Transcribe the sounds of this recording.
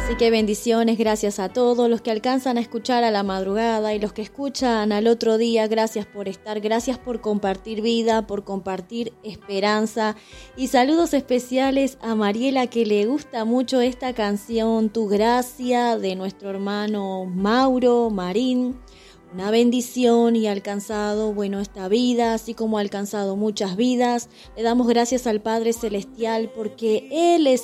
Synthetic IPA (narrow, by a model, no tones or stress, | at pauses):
asike̞β̞e̞nd̪isjo̞ne̞zɣɾasjasat̪o̞ðoslo̞skealkansanaeskut͡ʃaɾalamaðɾuɣað̞ailo̞skeːskut͡ʃanalo̞t̪ɾo̞ð̞iaɣɾasjaspo̞ɾest̪aɾɣɾasjaspo̞ɾko̞mpaɾt̪iɾβiðapo̞ɾko̞mpaɾt̪iɾespeɾansa | isaluð̞o̞se̞spesjalesamaɾje̞lakeleɣ̞ust̪amut͡ʃo̞est̪akansjo̞nt̪uɣɾasjaðe̞nwe̞st̪ɾoeɾmano̞mawɾo̞maɾin | unaβe̞nd̪isjo̞nialkansað̞o̞βwe̞noest̪aβiðaːsiko̞moalkansað̞o̞mut͡ʃazβiðas | le̞ðamo̞zɣɾasjasalpað̞ɾe̞se̞le̞st̪jalpo̞ɾkeeles